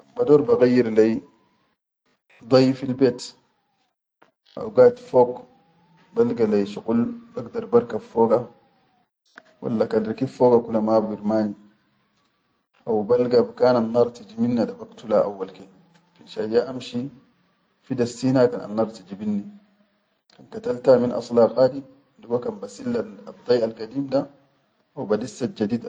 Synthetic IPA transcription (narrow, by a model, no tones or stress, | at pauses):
badoːɾbaɣajːiɾlaj | d̪ˤɑjːifilbeːt̪ | ʔa̰wɡaːt̪foːɡ | balɡalajʃuqulbaɡd̪ɑɾˤbaɾˤkabfoːɡa | wa̰lːakanɾikifoːɡakulːamabiɾmaːni | ʔawbalɡabakaːnanːɑɾˤt̪id͡ʒiminːadabakt̪ulaʔawːalken | finʃajaʔamʃi | fidasːiːnakanʔa̰nːɑɾˤt̪id͡ʒibinːi | kankat̪alt̪aminʔɑ̰sˤlaɣaːdi | duwakanbasilːat̪ˤːijʔalkadiːmda | ʔawbadisːatd͡ʒad̪iːd̪